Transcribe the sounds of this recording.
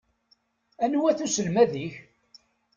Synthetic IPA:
ænwæθusəlmæðiç

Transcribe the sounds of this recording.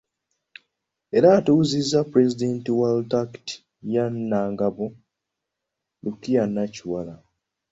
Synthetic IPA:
eɾatuwuzizːapɾezidentiwaldakti̥ | janːaːŋɡaβo | lukijanːaciwala

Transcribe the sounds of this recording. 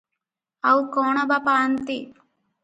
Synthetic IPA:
ɐwukoːɳɐbɐpaːnt̪i

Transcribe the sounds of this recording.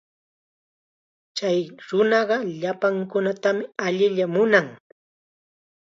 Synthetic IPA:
t͡ʃajɾʊnɑɢɑʎapaŋkʊnat̪amɪaʎɪʎamʊnaŋ

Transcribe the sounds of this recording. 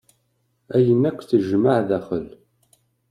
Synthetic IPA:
æjənːækʷːθəʒmaʕðæχəl

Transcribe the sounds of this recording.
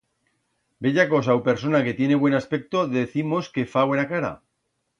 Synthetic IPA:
be̞ʎako̞s̬awpe̞ɾs̬o̞nake̞t̪je̞ne̞βwe̞naspe̞k̚t̪o̞ðe̞θimo̞ske̞faβwe̞nakaɾa̰

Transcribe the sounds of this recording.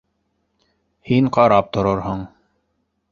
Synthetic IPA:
hiɴqɑɾɑp̚t̪ŏɾɤɾɦoɴ

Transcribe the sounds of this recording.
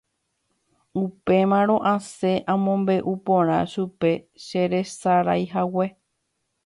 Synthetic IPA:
upe̞mãɾ̃õ̞ʔãse̞ʔãmõmbe̞ʔupõɾ̃ã̰ʃupe̞ | ʃe̞ɾe̞saɾajɦawe

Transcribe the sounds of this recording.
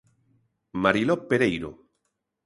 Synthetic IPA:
maɾilɔpːeɾejɾo̰

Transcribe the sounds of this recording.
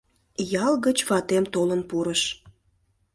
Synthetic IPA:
jɑlɣət͡ɕβɑt̪emt̪olənpuɾəʃ

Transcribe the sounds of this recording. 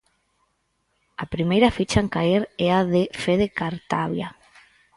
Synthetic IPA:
apɾimejɾɐfit͡ʃaŋkaeɾɛaðefeðekaɾt̪aβja

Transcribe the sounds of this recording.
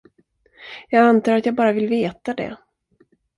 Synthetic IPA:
jɑːɡant̪ʰɑːɾat̪jɑːɡ̚bɑːɾavɪlveːt̪ad̪ɛ̰

